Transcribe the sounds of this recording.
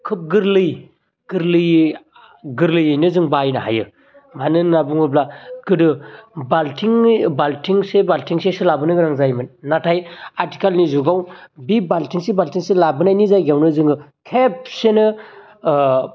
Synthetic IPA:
kʰɯp̚ɡɯɾlɯj | ɡ̥ɯɾlɯj | ɡɯɾlɯjɯjnɯzɯŋbajnaɦa̰jɯ | manɯnabuŋɯblaɡ̥ɯdɯbaltʰiŋbaltʰiŋsebaltʰiŋseselabɯnɯɡɯɾaŋzajmɯnatʰajaɾti̥kalnizuɡawbibaltʰiŋsebaltʰiŋselabɯnajnizajɡawnɯzɯŋɯkʰep̚senɯ

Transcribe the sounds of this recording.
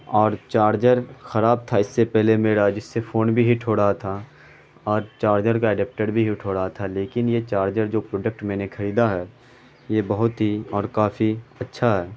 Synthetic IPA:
ɔːɾt͡ʃaːɾd͡ʒəɾxɐɾaːb̚t̪ʰaɪsːepɛɦlemeːɽad͡ʒɪsːefoːnbʱiɦɪʈʰɦoːɽaɦat̪ʰa | ɔːɾt͡ʃaːɾd͡ʒəɾkaɛɖɛːp̚ʈeɖbʱiɦɪʈʰɦoːɽaɦat̪ʰaleːkɪnjet͡ʃaːɾd͡ʒəɾd͡ʒoːpɾoːɖək̚ʈmɛ̃ːnekʰɐɾiːd̪aɦɛ | jebɐɦʊt̪ɦiɔːɾkaːfiɐtːʃʰaɦɛː

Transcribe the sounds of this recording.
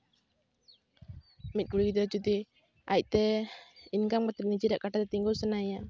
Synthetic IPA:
mit̪̚ɡuɽiɡit̪̬ɔt͡ʃut̪̬i | aiʔt̪ɛinkaŋkat̪ik̚nid͡ʒiɾaʔkaʈat̪ɛt̪iŋɡulsənaija

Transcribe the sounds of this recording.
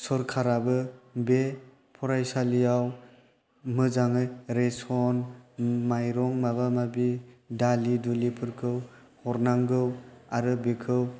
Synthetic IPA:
sɔɾkʰaɾabɯbe | pʰɔɾajsalijaw | mɯzaŋɯɾesɔnmajɾɔŋmabamabidalidulipʰɯɾkʰɯw | hɔɾnaŋɡɯwaɾɯbekʰɯw

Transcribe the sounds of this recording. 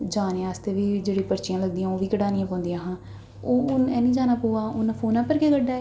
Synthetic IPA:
d͡ʒaːneːaːst̪eːʋiːd͡ʒeːɽiːpəɾt͡ʃɪjãːləɡd̪ijãːoːʋiːkəɽaːnijãːpɔ̃ːnd̪ijãːɦãː | oːʊnɛːnĩːd͡ʒaːnaːpoːaːʊnpʰoːnãːpəɾkeːɡəɖːaːɛː

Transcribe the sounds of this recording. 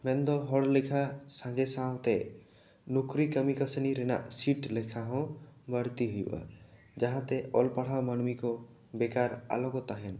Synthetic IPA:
mẽnd̪ɔɦɔɽlekʰasãɡesãwt̪e | nukɾikəmikəsniɾena̰ʔsiʈlekʰaɦɔ̃bəɽ̤t̪iɦujʔa̰ | d͡ʒəɦãt̪eʔɔlpəɽ̤awmənmikɔ | bekaɾa̰lɔɡɔt̪aɦɛn

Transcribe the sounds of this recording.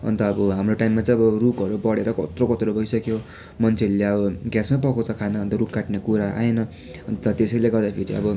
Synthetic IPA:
ʌ̰nt̪ʌːbʌɦamroʈajmːat͡sãj̃ʌbʌrukʌɾubʌɽeɾʌkʌ̰t̪rokʌt̪ɾobʱʌjsʌkjo | mʌnt͡sʰeleʌbʌɡjasmap̬ʌkʰot͡sʰʌkʰanʌːnt̪ʌɾupkaʈnekuɾaʔa̰enʌ | ʌnt̪ʌt̪esʌjleɡʌrd̪apʰiɾiʌ̰bʌ

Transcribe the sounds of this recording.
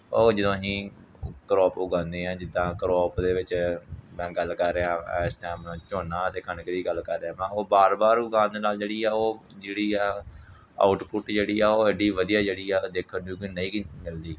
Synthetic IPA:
oːd͡ʒəd̪õːɦĩː | kɾɔːpʊɡãːnd̪eːɛ̃ːd͡ʒɪd̪ãːkɾɔːpd̪eːʋɪt͡ʃmɛ̃ːɡəlːkəɾːeːãːsʈɛːmnãːt͡ʃoːnãːt̪eːkʰəɳkəɾiːɡəlːkəɾːeãːmɛ̃ːoːbaːɾbaːɾʊɡãːnd̪eːnaːld͡ʒeːɽiːaːoːd͡ʒeːɽiːɛː | a̰ːʊʈpʊʈd͡ʒeːɽiːaːoːɛɖiːʋəd̪ijaːd͡ʒeːɽiːɛːd̪eːkʰːənd̪uːkinəĩːkmɪld̪iː

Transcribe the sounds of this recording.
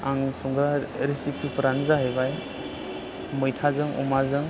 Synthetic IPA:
aŋsɔŋɡɾaɾisipʰipʰɯɾaŋzaɦebaj | mɯjtʰazɯŋɔ̰mazɯŋ

